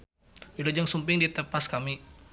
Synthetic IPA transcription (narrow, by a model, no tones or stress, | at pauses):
wilod͡ʒaŋsumpɪŋdit̪əpaskami